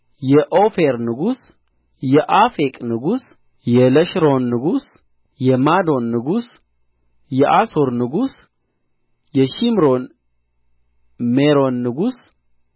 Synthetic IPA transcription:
jɛʔofeɾnɨɡus | jɛʔafekʼnɨɡus | jɛləʃɾo̞nːɨɡus | jɛmad̪o̞nːɨɡus | jɛʔasoɾnɨɡus | jɛʃimɾon | meɾo̞nːɨɡus

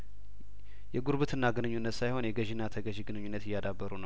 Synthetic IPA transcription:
jɛɡuɾβɨt̪ʰɨnːaɡɨnɨɲːunːət̪sajho̞njɛɡəʒɪnːat̪ʰəɡəʒɡɨnɨɲːunːət̪ɪjːad̪abːəɾunəw

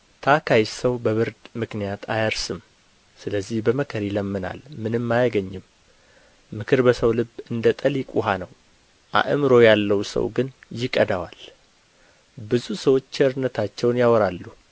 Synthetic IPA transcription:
t̪ʰakʰajsəwbəβɨɾd̪mɨknijat̪ʰa̰jəɾsɨm | sɨləzːihbəməkʰəɾjɪləmːɨna̰lmɨnɨmːajaɡəɲːɪmː | ɨkʰɨɾbəsəwlɨbɨnd̪ət̪ʼəljɪkʼuɦanəw | ʔa̰ʔɨmɾo̞jalːəwsə̰wɡɨnjɪkʼəd̪awal | bɨzusəwo̞t͡ʃːɛɨɾnət̪ʰat͡ʃːɛwnjawɔɾalːu

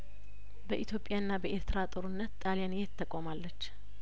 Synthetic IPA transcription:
bəʔit̪ʰjo̞pʼjaɨnːabəʔeɾt̪ʰɾat̪ʼoɾunːət̪t̪ʼalijanjɛt̪ʰːəkʼːomalːət͡ʃː

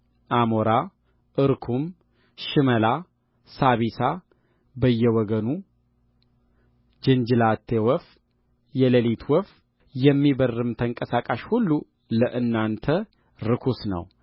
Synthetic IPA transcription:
ʔamoɾa | ʔɨɾkʰum | ʃɨməla | saβisa | bəjːɛwɔɡənu | d͡ʒɨnd͡ʒɨlat̪ʰːewɔf | jɛləlit̪ʰwɔf | jɛmːibərːɨmt̪ʰəŋkʼəsakʼaʃhulːu | ləʔɨnːant̪ʰə | ɾɨkʰusnə̰w

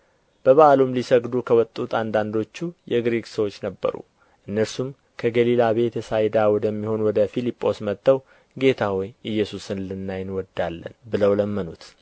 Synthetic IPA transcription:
b̥əβaalumlisəɡd̪ukʰəwɔt̪ʼːut̪ʰand̪and̪o̞t͡ʃːujɛɡɾeɡsəwo̞t͡ʃːnəbːə̰ɾṵ | ʔɨnːəɾsum | kʰəɡəlilaβe̞t̪ɛsajd̪awɔd̪əmːiho̞nwɔd̪əfilipʼːo̞smət̪ʼːəw | ɡe̞t̪ʰawɔjʔɨjːɛsusɨnlɨnːajɪnwɔd̪ːalːə̰nbɨləwləmːənṵt̪

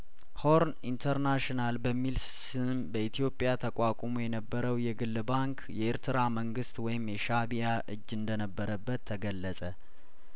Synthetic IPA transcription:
ho̞ɾnint̪ʰəɾnaʃnalbəmːil | sɨnbəit̪ʰijo̞pʼːjat̪ʰəkʷʼakʷʼomujɛnəbːəɾəwjɛɡɨlːbaŋkʰjɛʔeɾt̪ʰɨɾaməŋɡɨst̪wɔjɪmjɛʃabijaʔɨd͡ʒːɨnd̪ənəbːəɾəbːət̪ʰːəɡəlːəsʼə

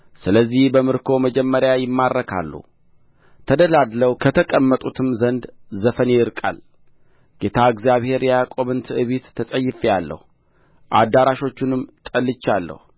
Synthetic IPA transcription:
sɨləzːihbəmɨɾkʰo̞məd͡ʒɛmːəɾjajɪmːarːəkʰa̰lːṵ | t̪ʰəd̪əlad̪ləwkʰət̪ʰəkʼəmːət̪ʼut̪ʰɨmzənd̪zəfəneɪɾkʼa̰l | ɡ̥e̞t̪ʰaɨɡzijaβhe̞ɾjakʼo̞βɨnt̪ʰɨʔɨβit̪ʰːəsʼəjːɪfialːə̰hu | ʔad̪ːaɾaʃo̞t͡ʃːɪnɨmt̪ʼəlːɨt͡ʃːalːə̰hu

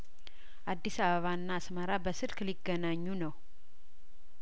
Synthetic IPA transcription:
ʔad̪ːisaβəβaɨnːaːsməɾabəsɨɾkliɡːənaɲːunəw

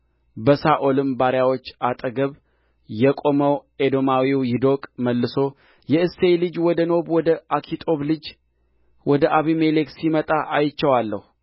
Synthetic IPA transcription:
bəsaʔolɨmbaɾjawo̞t͡ʃːat̪ʼəɡəβ | jɛkʼo̞məwed̪o̞mawiwjɪd̪o̞kʼməlːɨso̞ | jɛɨsejlɨd͡ʒwɔd̪əno̞βwɔd̪əʔakʰit̪ʼo̞βlɨd͡ʒ | wɔd̪əʔaβimeleksimət̪ʼaʔajt͡ʃːəwalːə̰hu

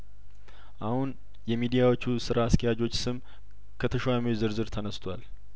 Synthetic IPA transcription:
ʔahun | jɛmid̪ijawo̞t͡ʃːusɨɾaːst̪ʰəjad͡ʒo̞t͡ʃːsɨm | kʰət̪ʰəʃwaməwzɨɾzɨɾt̪ʰənəst̪ʰwal

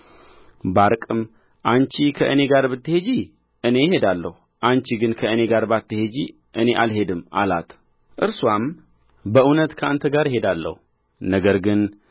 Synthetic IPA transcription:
baɾkʼɨm | ʔant͡ʃikʰəʔɨne̞ɡaɾbɨt̪ːəhed͡ʒi | ʔɨne̞jɪhe̞d̪alːəhu | ʔant͡ʃiɡɨnkʰəɨne̞ɡaɾbat̪ːɨhe̞d͡ʒi | ʔɨne̞ʔalɦe̞d̪ɨmʔa̰la̰t̪ʰ | ʔɨɾswam | bəunət̪kʰəʔant̪ʰəɡaɾjɪhe̞d̪alːə̰hu | nəɡəɾɡɨn

